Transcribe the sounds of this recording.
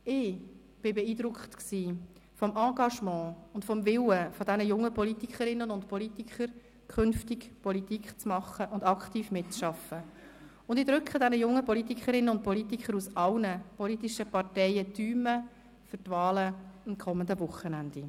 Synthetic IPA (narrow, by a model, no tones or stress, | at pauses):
ɪ | b̥ɪbɛiːdɾʊkχtksiːfɔmʔɑ̃ːɡɑʃmɑ̃ːʊndfɔmvɪwəfɔdɛnəjʊŋːəpɔlit̪ikχəɾɪnːənʊntpɔlit̪ikχəɾ | kχʏnftɪkpɔlit̪iːkχt͡smɑχːəʔʊndɑkχtiːfmɪtt͡sʃɑfə | ʊndɪdɾʏkχədɛnəjʊŋːəpɔlit̪ikʰəɾɪnːənʊnt̚pɔlit̪ikʰəɾusɑlnəpɔlit̪iʃəpɑɾtɛɪətyːmə | fʏtvɑːləɑmkʰɔmːəndəvʊχənændi